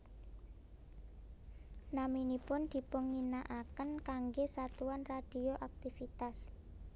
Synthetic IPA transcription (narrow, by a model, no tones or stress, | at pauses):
naminipʊnd̪̥i̤pʊŋːinaʔakənkaŋɡesat̪uanrad̪̥i̤oʔak̚t̪ifit̪as